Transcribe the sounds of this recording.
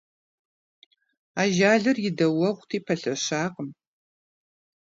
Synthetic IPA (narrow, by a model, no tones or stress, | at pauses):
aːʒaːɮɨrjɪdɐwɐʁʷtʰiːpʰɐɬɐɕaːqəm